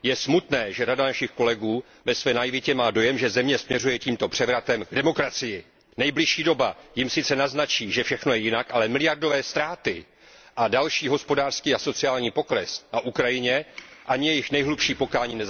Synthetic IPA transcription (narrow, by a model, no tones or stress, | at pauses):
jɛsmut̪nɛːʒɛɾadanaʃɪxko̞lɛɡuː | vɛsvɛːnajɪvɪcɛmaːdo̞jɛmʒɛzɛmɲɛsmɲɛrujɛciːmt̪o̞pr̥ɛvɾat̪ɛmɡdɛmo̞kɾat͡sɪjɪ | nɛjblɪʃiːdo̞bajɪmsɪt͡sɛnaznat͡ʃiːʒɛfʃɛxno̞jɛjɪnakʔalɛmɪlɪjardo̞vɛːst̪ɾaːt̪ɪ | ʔadalʃiːɦo̞spo̞daːr̥skiːaso̞t͡sɪaːlɲiːpo̞kɾɛsnaʔukɾajɪɲɛʔaɲɪjɛjɪxnɛjɦlupʃiːpo̞kaːɲiːnɛza